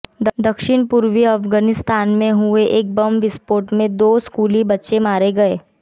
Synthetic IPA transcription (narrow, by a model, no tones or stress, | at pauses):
d̪d̪ɐkʃɪnpʊɾʋiɐfɡaːnɪst̪aːnmẽɦʊeʔeːk̚bɐmʋɪspoːɾʈmẽd̪oːskuːlibɐtːʃemaːɾeɡɐeː